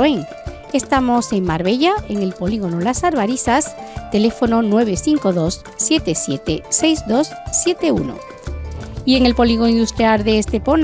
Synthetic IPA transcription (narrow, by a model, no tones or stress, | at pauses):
eŋ | e̞st̪amo̞se̞ŋmaɾβe̞ʎae̞ŋe̞lpo̞liɣ̞o̞no̞lasaɾβaɾisast̪e̞le̞fo̞no̞nwe̞β̞eθiŋko̞ðo̞sːje̞t̪e̞sje̞t̪e̞se̞jzd̪o̞sːje̞t̪e̞ṵno̰ | ie̞ŋe̞lpo̞liɣ̞oind̪ust̪ɾjalðe̞ːst̪e̞po̞n